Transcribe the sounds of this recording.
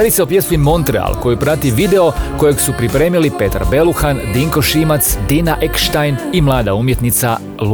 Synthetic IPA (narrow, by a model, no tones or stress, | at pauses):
ad̪iseopje̞smimo̞nt̪ɾḛa̰lˠko̞jipɾat̪iʋid̪eo̞ko̞je̞ɡsupɾipɾe̞ːmilipe̞t̪a̰ɾbe̞luxand̪iŋko̞ʃimat̪sd̪inaʔekʃt̪ajnimlˠaːd̪aumje̞t̪nit̪sa | lu